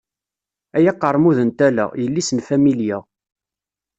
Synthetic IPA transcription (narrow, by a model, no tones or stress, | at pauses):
æjæqːəɾˤmuðənt̪ælæ̰jəlːisənfæmilja